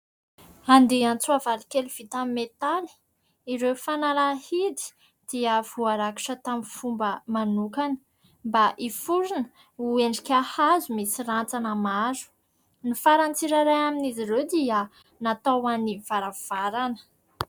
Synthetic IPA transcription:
and̪eant͡suavalikeluv̥it̪amimet̪ali̥ | iɾewfanalahid̪i̥ | d̪̥iəv̥uaɾaki̥ʈ͡ʂət̪amifumbəmanukanə̥ | mbaʔifuɾinə | ueɳɖ͡ʐikʲahazumisirant͡sanəmaɾu̥ | nifaɾant͡siɾaɾajaminizirewd̪iə | nat̪awaniv̥aɾav̥aɾanə̥

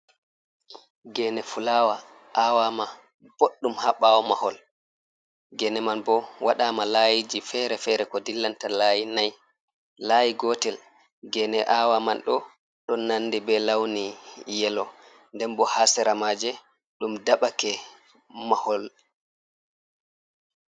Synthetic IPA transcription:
ɡɛnɛfulawa | ʔaːwama | b̥oɗːumhaɓawɔmahɔl | ɡɛnɛmanbɔwaɗaːmalaːjid͡ʒifɛɾɛfɛɾɛkɔdilːantalaːjinaj | laːjiɡɔːtɛl | ɡɛnɛʔaːwamanɗɔ | ɗɔnːanːdɛbɛlawnijɛlɔ | ndɛnbɔhasɛɾamaːd͡ʒɛ | ɗumdaɓakɛ | mahɔl

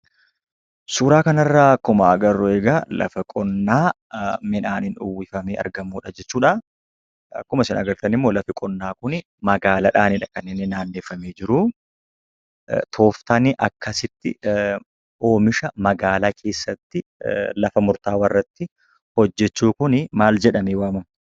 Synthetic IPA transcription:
suːɾaːkɐnɐrːaːɐkːʊmɐːɡɐrːʊeːɡaːlɐ̰fɐkʼɔnːaː | mɪnaːnɪnʊwːɪfɐmeːɐ̰ɾɡɐmuːᶑɐd͡ʒɛt͡ʃːuːᶑɐ | ɐ̰kːʊmɐsɪnɐɡɐɾt̪ɐnɪmːoːlɐfɪkʼɔnːaːkʊnɪ | mɐɡaːlɐᶑaːnɪᶑɐkɐnːeːnːɛnaːnːeːfːɐmeːd͡ʒɪɾʊː | t̪ʰo̞ːft̪ɐnɪʔɐkːɐsɪt̪ːɪ | ʔo̞ːmɪʃɐmɐɡaːlaːkʰe̞ːsːɐt̪ːɪlɐfɐmʊɾt̪aːwɐrːɐt̪ːɪ | hɔd͡ʒːɛt͡ʃːuːkʊnɪmaːld͡ʒɛᶑɐmeːwaːmʊn

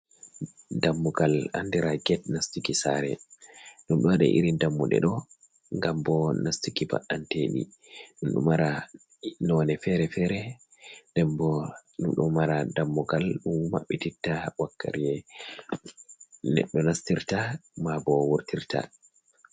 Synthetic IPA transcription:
damːuɡala̰ndiɾaɡɛt̚nastikisaɾɛ̰ɗumɗɔwaɗɛ̰ʔḭɾindamːuɗɛ̰ɗɔ | ŋɡambɔnastikiba̰ɗanteɗḭ | ɗumɗṵmaɾa | nɔnɛfɛɾɛfɛːɾɛ | dɛmbɔɗumɗṵmaɾadamːuɡalɗumma̰ɓːititːawakːa̰ɾijɛ | nɛ̰ɗːɔnastiɾtamabɔwuɾtiɾta̰

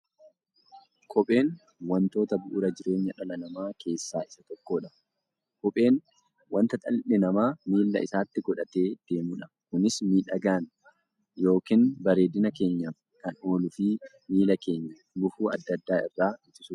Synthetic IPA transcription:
kʰɔpʼe̞ːn | wɐnt̪o̞ːt̪ɐbʊʔʊɾɐd͡ʒɪɾe̞ːɲːɐᶑɐlɐnɐmaːkʰe̞ːsːaːɪsɐt̪ɔkːo̞ːᶑɐ | kɔpʼe̞ːn | wɐnt̪ɐt̪ʼɐlɪʔɪnɐmaːmiːlːɐ̰ʔɪsaːt̪ːɪɡɔᶑɐt̪e̞ːd̪̥e̞ːmuːᶑɐ̥ | kʊnɪsmiːᶑɐɡaːn | jo̞ːkɪnbɐɾe̞ːd̪ɪnɐke̞ːɲːɐ | kɐno̞ːlʊfiː | miːlɐke̞ːɲːɐ | lʊfuːɐ̰d̪ːɐd̪ːaːɪ̰rːaːɪt̪ːɪsu̥ː

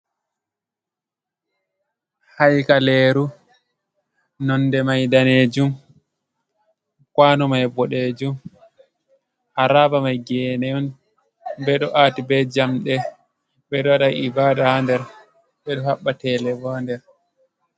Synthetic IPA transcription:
hajkalɛːɾu | nɔndɛmajdaneːd͡ʒum | kwanɔmajbɔɗeːd͡ʒum | haɾabamajɡɛnɛɔn | bɛɗɔʔaːtibɛd͡ʒamɗɛ | bɛɗɔaɗaibadahandɛɾ | ɓɛɗɔhaɓːatɛːlɛbɔndɛɾ

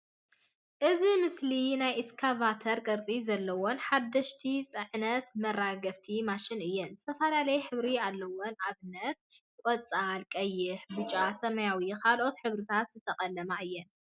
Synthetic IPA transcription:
ʔɨzimɨslinajʔɪskʰavat̪ʰɐɾɡʼɐɾt͡sʼizɐlːɐwonħad̪ːɐʃt̪ʰit͡sʼɨʕnɐt̪mɐrːaɡɐβt̪ʰimaʃɪnɨjːɛnzɨ̥t̪ʰɐfɐlalɐjħɨβɾialːɐwonaβɨnːɐt̪̚ | kʷʼɔt͡sʼalkʼɐjːɪħbɨt͡ʃʼasɐmɐjawikʰalʔo̞t̪ħɨβɾɨt̪ʰat̪z̥ɨt̪ʰɐqʼɐlːɐmaʔɨjːɛn

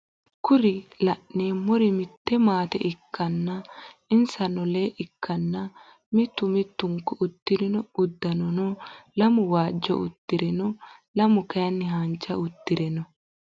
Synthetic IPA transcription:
kʊɾɪlɐʔneːmɔɾɪmɪt̪ːɛmaːt̪ɛ̰ʔɪkːɐnːɐɪnsɐnɔleːʔɪkʰːɐnːɐ | mɪt̪ːʊmɪt̪ːʊŋkːɔʊt̪ːɪɾɪnɔʊd̪ːɐnɔnɔlɐmʊwaːd͡ʒːɔ̰ʊ̰t̪ːɪɾɛnɔlɐmʊkɐjɐnːɪɦant͡ʃːɐʊt̪ːɪɾɛnɔ

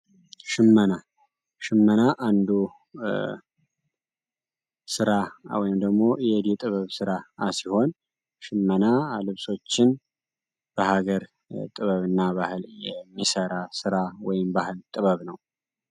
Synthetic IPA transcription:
ʃɪmːəna | ʃɪmːənaʔand̪u | sɨɾawɔjɪmd̪əɡmo̞jɛd̪it̪ʼɨβəβsɨɾaasiho̞n | ʃɪmːənalɨβso̞t͡ʃːɪn | b̥əhaɡəɾ | t̪ʼɨβəβɨnːaβahɨljɛmːisəɾasɨɾawɔjɪmbahɨlt̪ʼɨβəβnəw

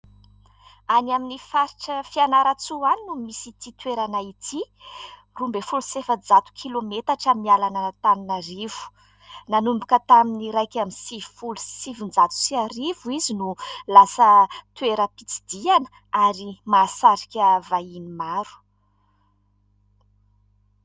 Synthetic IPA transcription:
anaminifaɾiʈ͡ʂəfianaɾat͡suaninumisit̪it̪weɾanait̪ʰi | rumbefulusefəd͡zat̪u̥kʰilomet̪aʈ͡ʂamialanət̪aninarivu̥ | nanumbukət̪aminiɾajkʲaminsivfulusivind͡zat̪u̥siaɾivuizinulasət̪weɾəpit͡si̥d̪ianə̥ | aɾimaːsaɾikʲəvainimaɾu̥

